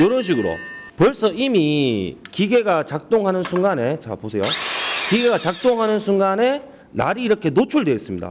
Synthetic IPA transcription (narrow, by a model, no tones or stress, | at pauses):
jʌɾʌnɕ̬ʰiɡɯɾo̰pʌɭs͈ʌimikiɡe̞ɡat͡ɕak̚t͈oŋɦanɯnsʰuŋɡane̞t͡ɕa̰posʰe̞jokiɡe̞ɡat͡ɕak̚t͈oŋɦanɯnsʰuŋɡane̞ | na̰ɾiːɾʌkʰe̞not͡ɕʰuɭdwe̞ːs͈ɯmɲida̰